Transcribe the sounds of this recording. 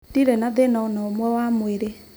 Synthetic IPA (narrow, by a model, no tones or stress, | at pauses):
tiɾɛnaðenaɔnɔomwɛwamweɾe